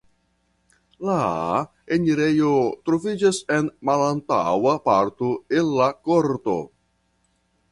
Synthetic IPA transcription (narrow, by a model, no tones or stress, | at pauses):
la | eniɾe̞jotɾovid͡ʒase̞nmalanta̰wapaɾtoelːakoɾto̞̰